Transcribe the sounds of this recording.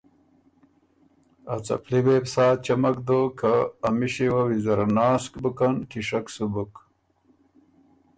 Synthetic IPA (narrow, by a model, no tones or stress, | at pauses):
at͡sɐ̰plibeːbsaːt͡ɕɐmɐkd̪okʰaːmiɕiwawizɐɾnaːskbukɐnkiʂɐksubuk